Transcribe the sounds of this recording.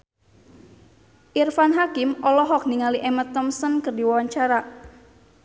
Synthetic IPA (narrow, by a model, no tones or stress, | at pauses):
ʔirfanɦakɪmɔlɔɦɔk̚niŋaliʔɛmət̪ɔmsənkərdiwawaɲt͡ʃaɾa